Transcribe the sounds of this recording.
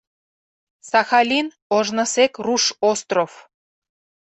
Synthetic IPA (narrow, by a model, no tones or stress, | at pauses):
sɑxɑlʲin | oʒnə̆sekruʃost̪rof